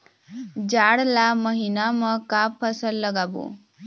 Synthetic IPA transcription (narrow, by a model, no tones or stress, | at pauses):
d͡ʒaɽlaməɦinamãkapʰːəsəlːəɡabṵ